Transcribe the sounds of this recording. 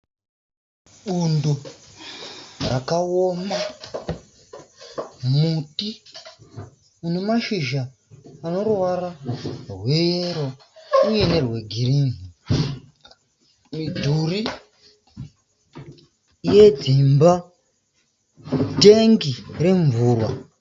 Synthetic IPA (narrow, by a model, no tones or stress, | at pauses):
ɓundo | rakaoma | muti | une̞maʃiʒaː | no̞rwararwe̞jeɾo | uje̞ne̞rwe̞ɡʱiɾiːni | midʱuri | je̞d͡zimba | de̞ŋɡire̞ɱvuːrwa